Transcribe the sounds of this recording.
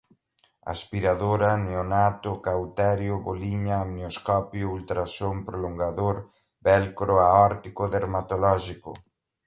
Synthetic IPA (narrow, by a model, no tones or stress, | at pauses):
a̰spiɾaðoɾɐneonat̪ʊkawt̪ɛɾjʊβoliɲamneoskɔpjʊult̪ɾasompɾoloŋɡaðoɾ | bɛlkɾoaɔɾt̪ikoðeɾmat̪olɔʒiko̰